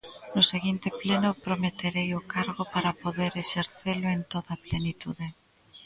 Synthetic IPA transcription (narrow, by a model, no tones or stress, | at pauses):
nʊseɣint̪eplenopɾomet̪eɾejokaɾɣopaɾapoðeɾeʃeɾθeloent̪oðaplenit̪uðe